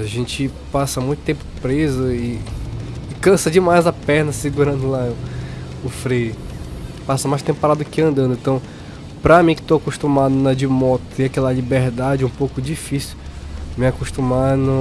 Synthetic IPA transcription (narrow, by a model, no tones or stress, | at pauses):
aʒẽt͡ʃɪ | pasɐmũj̃t̪ʊ̥t̪ẽpʊ̥pɾezʊɪː | kɐ̃sɐd͡ʒɪmajzɐpɛhnɐsɪɡuɾɐ̃nd̪ʊla | ʊfɾej | pasɐmajʃst̪ẽpʊpaɾad̪ʊd̪ʊkɪɐ̃nd̪ɐ̃nd̪ʊ̃ẽt̪ɐ̃w̃ | pɾɐmĩkɪ̥t̪oakuʃt̪ũmad̪ʊnɐd͡ʒɪmɔt̪ʊt̪ẽakɛlɐlibeɾd̪ad͡ʒɪũpowkʊd͡ʒifisiu̥ | mɪakoʃt̪ũmanʊ